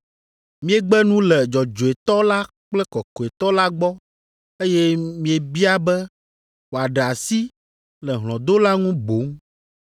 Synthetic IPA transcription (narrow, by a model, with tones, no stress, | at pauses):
mĩ˦e˦ɡ͡bɛ˦nũ˦lɛ˨d͡ʒɔ˨d͡ʒo˨e˨t̪ɔ˦la˦ | k͡plɛ˦kɔ˨kɔ˨e˨t̪ɔ˦la˦ɡ͡bɔ˦ | e˦jɛ˦mĩ˦e˨bi˦a˦bɛ˦ | wo˨a˨ɖɛ˨a˨si˦ | lɛ˨ɦl̃ɔ̃˨d̪o˦la˦ŋũ˦bo˨˦ŋ